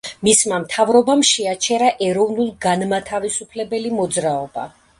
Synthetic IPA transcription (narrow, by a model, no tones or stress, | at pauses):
mismamt̪ʰavɾɔbamʃɛat͡ʃʰɛɾaʔɛɾɔvnulˠɡanmat̪ʰavisupʰlɛbɛlimɔd̪zɾaɔba̰